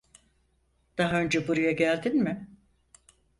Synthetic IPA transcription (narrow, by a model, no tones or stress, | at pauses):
d̪̥aɦaø̞nd͡ʒɛbuɾujaɟælʲd̪inmɪ